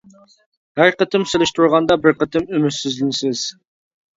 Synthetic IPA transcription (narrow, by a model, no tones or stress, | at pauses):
hæɾqət̪ɪmselˠɪʃt̪ʰuɾʁɑnd̪ɑbɪɾqʰət̪ʰɪmymyt̪sɪzlɪnɪsɪz̥